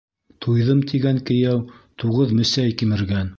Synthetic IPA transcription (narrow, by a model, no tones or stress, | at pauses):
t̪ʰujðɤmt̪iɡæŋkɘ̆jæwt̪uʁɤðmɵ̆sæjkimɘ̆ɾɡæn